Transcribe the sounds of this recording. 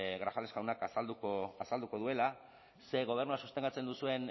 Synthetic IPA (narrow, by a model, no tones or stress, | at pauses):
ɣɾafalesɣawnakasald̪ukoasald̪uko̞ð̞ue̞la | se̞ɣ̞o̞β̞e̞rnuasust̪e̞ŋɡat͡se̞nd̪usue̞n